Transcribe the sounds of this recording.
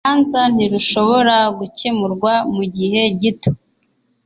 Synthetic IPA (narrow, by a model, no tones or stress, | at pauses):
anzan̥iɾuʃo̞βo̞ɾaɡucemuɾɡwamuɟihe̞ɟito̥